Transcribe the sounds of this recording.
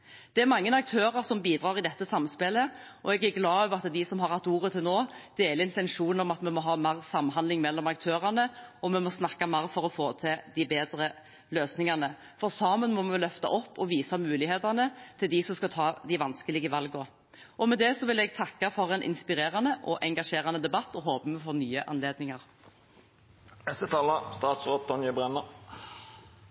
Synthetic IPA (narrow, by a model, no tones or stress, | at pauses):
d̪̥ɛæɾmɑŋːənɑk̚t̪ʰøːɾɑɾsɔmbiːd̪ɾɑːʁɪd̪ɛt̪ːəsɑmspɛlə | ʔɔɛɡæɾɡlɑːøːʋəɾɑt̪d̪ɪsɔmɦɑɾʁhɑt̪ːuːɾət̪ʰɪlnoːd̪̥eːləɪnt̪ɛnʂuːnɔmɑt̪mɛmɔɦɑːmæːɾsɑmːɦɑnd̪lɪŋmɛlːɔmɑk̚t̪ʰøːʁɑnəɔmɛmɔsnɑkːɑmæːɾfɔɾɔfoːt̪ʰɪld̪ɪbeːd̪ɾə | løːsnɪŋɑnə | fɔʁsɑːmənmɔmɛɛlœft̪ɑ̰ʔɔpːɔʋiːsɑmʉːlɪheːt̪ɑnət̪ʰɪld̪ɪsɔmskɑt̪ʰɑːd̪ɪʋɑnskəlɪɡəʋɑlɡɔ | ʔɔmɛd̪ɛsɔʋɪlɛɡt̪ʰɑkːɑfɔɾɛnʔɪ̰nspɪɾeːɾɑnəʔɔʔɛŋɡɑʂeːɾɑnəd̪ɛbɑt̪ːɔɦoːpəmɛfɔʁnyːəʔɑ̰nleːd̪nɪŋɑʁ | ɛsət̪ʰɑːlɑst̪ɑːt̪sʁot̪̚d̪ɔnjəbʁɛnə